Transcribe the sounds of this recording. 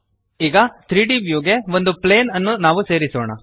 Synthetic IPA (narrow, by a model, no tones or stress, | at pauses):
iːɡɐt̪ʰɾiːɖiʋjuːɡe̞ʋo̞nd̪upleːnɐnːunaːʋuse̞ːɾisɔːɳɐ̰